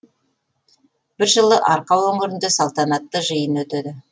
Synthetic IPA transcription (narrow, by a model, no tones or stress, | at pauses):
b̥ɪɾʒəlˠəʔɑɾqɑwɵŋɪɾɪnd̪esɑlˠt̪ɑnɑt̪ːəʒəjənwɵt̪ed̪ɪ